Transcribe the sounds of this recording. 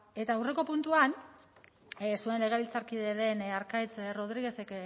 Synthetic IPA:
e̞t̪aːwre̞ko̞punt̪uan | sue̞nle̞ɣ̞eβilt͡saɾkiðeðe̞naɾkajt͡sro̞ð̞ɾiɣ̞e̞se̞k

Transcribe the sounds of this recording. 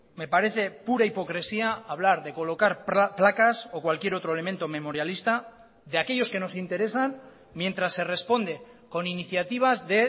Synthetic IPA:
me̞paɾe̞θe̞puɾaipo̞kɾe̞siaaβ̞laɾðe̞ko̞lo̞kaɾpplakaso̞kwalkje̞ɾo̞t̪ɾoe̞le̞mẽ̞nt̪o̞me̞mo̞ɾjalist̪a | ðeake̞ʎo̞ske̞no̞sint̪e̞ɾe̞san | mje̞nt̪ɾasːe̞re̞spo̞nd̪e̞ | ko̞niniθjat̪iβ̞azðe̞

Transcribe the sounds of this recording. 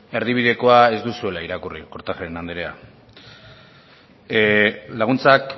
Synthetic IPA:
e̞ɾðiβ̞iðe̞ko̞ae̞zd̪usue̞laiɾakuriko̞ɾt̪axeɾenand̪eɾea̰ | laɣunt͡sak

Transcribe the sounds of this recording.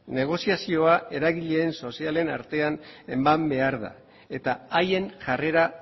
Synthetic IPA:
ne̞ɣ̞o̞siasio̞ae̞ɾaɣiʎe̞ːnso̞siale̞naɾt̪e̞ane̞mːambe̞aɾða̰ | e̞t̪aaje̞nʝare̞ɾa

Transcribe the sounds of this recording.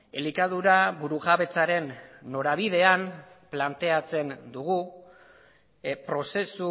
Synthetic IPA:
elikaðuɾaβuɾuɣaβe̞t͡saɾe̞nːo̞ɾaβ̞iðe̞an | plant̪e̞at͡se̞nd̪uɣ̞u | pɾo̞se̞su

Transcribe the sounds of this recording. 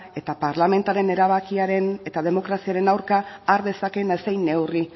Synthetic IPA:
e̞t̪apaɾlame̞nt̪aɾe̞ne̞ɾaβ̞akiaɾe̞ne̞t̪að̞e̞mo̞kɾasiaɾe̞nawɾkaːɾðe̞sake̞nesejnːe̞wri

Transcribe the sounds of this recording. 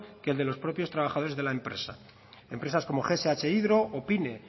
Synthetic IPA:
keld̪e̞lo̞spɾo̞pjo̞st̪ɾaβ̞axað̞oezðe̞lae̞mpɾe̞̰sa | e̞mpɾe̞sasko̞mo̞xeseat͡ʃe̞iðɾo̞opine̞

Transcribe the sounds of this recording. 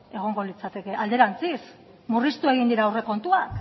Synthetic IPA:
e̞ɣ̞o̞ŋɡo̞lit͡sat̪e̞ke̞ʔald̪e̞ɾant͡sis | murist̪ue̞ɣind̪iɾaːwre̞ko̞nt̪uak

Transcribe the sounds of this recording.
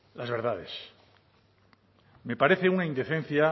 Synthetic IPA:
lazβe̞ɾð̞aðes | me̞paɾe̞θe̞unaind̪e̞θen̟θja

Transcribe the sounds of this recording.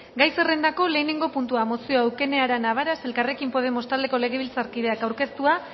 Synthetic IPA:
ɡajse̞re̞nd̪ako̞le̞ːneŋɡo̞punt̪uamo̞sio̞awke̞ne̞aɾanaβ̞aɾase̞lkare̞kimpo̞ð̞e̞mo̞st̪ald̪e̞ko̞le̞ɣe̞β̞ilt͡saɾkiðe̞akawɾke̞st̪ua

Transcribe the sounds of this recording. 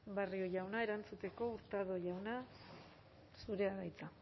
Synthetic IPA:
bario̞ʝawnae̞ɾant͡sut̪e̞ko̞uɾt̪aðo̞ʝawna | suɾe̞aðajt͡sa

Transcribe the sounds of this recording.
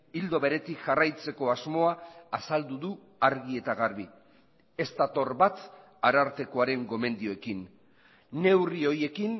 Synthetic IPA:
ild̪o̞βe̞ɾe̞t̪ikʝarajt͡se̞ko̞azmo̞aːsald̪uðu | aɾɣie̞t̪aɣaɾβi | e̞st̪at̪o̞rβat̪ | aɾaɾt̪e̞ko̞aɾe̞ŋɡo̞me̞nd̪ioe̞kinː | e̞wrio̞je̞kin

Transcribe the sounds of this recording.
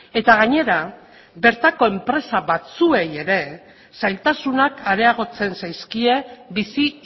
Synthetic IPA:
e̞t̪aɣ̞aɲe̞ɾa | be̞ɾt̪ako̞e̞mpɾe̞saβat͡sue̞je̞ɾe̞ | sajlt̪asunakʰaɾe̞aɣ̞o̞t͡se̞nsajskie̞bisi

